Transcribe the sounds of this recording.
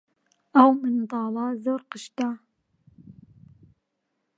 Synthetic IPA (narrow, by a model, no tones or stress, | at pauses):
awmɨnd̪ˤɑːlɑzoːɾqəʃt̪a